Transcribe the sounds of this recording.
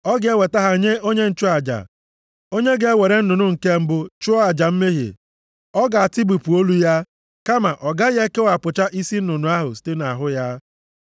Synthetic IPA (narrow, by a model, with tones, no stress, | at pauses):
ɔ˦ɡɪ˨e˦we˨ta˦ɦa˨ɲe˦ʔo˦ɲe˦n̩˦t͡ʃʊ˦a˨d͡ʒa̰˨ | o˦ɲe˦ɡe˨e˦we˨ɾe˦n̩˦nʊ˨nʊ˦ŋ̩˨ke˦m̩˦bʊ˦t͡ʃʊ˦ɔ˦a˨d͡ʒa˨m̩˦me˦ɦḛ˨ | ɔ˦ɡa˨a˨ti˦bu˨pu˨o˦lu˦ja˦ | ka˦ma˨ʔɔ˨ɡa˦je˦ke˦wa˨pʊ˨t͡ʃa˦ʔi˦si˦n̩˦ʊ˨nʊ˨a˦ɦʊ̰˨si̥˦te˦na˨ɦʊ˦ja˦